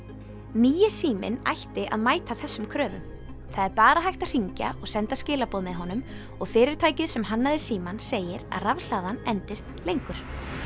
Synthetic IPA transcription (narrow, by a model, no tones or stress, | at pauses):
niːjɪsiːmɪ̰na̰jht̪ɪʔa̰ðmaːjt̪aθɛsːʏmkʰɾœːvʏ̰m | θaðɛɾpaːɾaɦajht̪aðr̥iɲca̰ɔɣsɛnt̪ascɪːlapɔːðmɛðɦɔnʏm | ɔɣfɪːɾɪɾ̥t̪ʰaːjcɪðsɛmɦanːaðɪsiːmanseːjɪɾa̰ðravl̥aːðanɛnt̪ɪst̪lejŋkʏɾ̥